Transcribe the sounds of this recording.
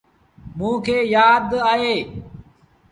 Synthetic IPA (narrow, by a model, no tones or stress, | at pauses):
mũːkʰeːjaːd̪aːɦeː